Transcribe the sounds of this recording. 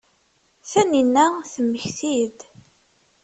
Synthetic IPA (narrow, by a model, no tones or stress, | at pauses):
θæninːæθəmːəçθid̪